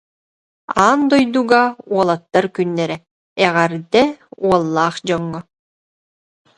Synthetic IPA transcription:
aːnd̪ɔjd̪uɡauɔlˠat̪ːaɾkynːɛɾɛ | ɛʁɛɾd̪ɛuɔlˠːaːχd͡ʑɔŋːɔ

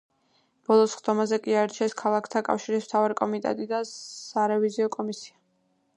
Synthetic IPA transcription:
b̥ɔlˠɔsχd̪ɔmazɛkʼiaɛɾt͡ʃʰɛskʰalˠakʰt̪ʰakʼa̰fʃiɾismt̪ʰavaɾikʼɔmit̪ʼɛ̰t̪ʼid̪asaɾɛviziɔkʼɔmisia

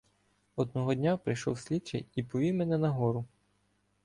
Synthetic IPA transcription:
ɔd̪nɔɦɔdʲnʲapɾɪjʃɔ̰wsʲlʲit͡ʃɛ̰jipɔʋʲiwmɛnɛnɐɦɔɾʊ

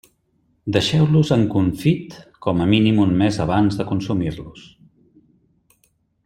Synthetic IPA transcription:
d̪əʃɛwluzəŋkuɱfit̪kɔməminimunmezəβ̞anzðəkunsumiɾlus

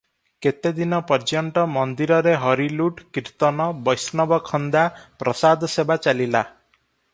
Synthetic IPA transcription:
ket̪ed̪inɔpɔɾd͡ʒɔɳʈɔmɔnd̪iɾɔɾeɦɔɾiluʈkiɾt̪ɔnɔbɔjsnɔbɔkʰɔnd̪apɾɔsad̪ɔsebat͡ʃalila

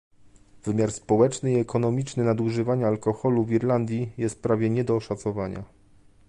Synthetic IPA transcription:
v̥ɘmʲjaɾspɔwɛt͡ʂnɘiɛkʰɔnɔmʲit͡ʂnɘnad̪uʐɘvaɲaːlkɔxɔluviɾland̪ʲjijɛst̪̚pɾavʲjɛɲɛd̪ɔːʂat̪sɔvaɲa̰

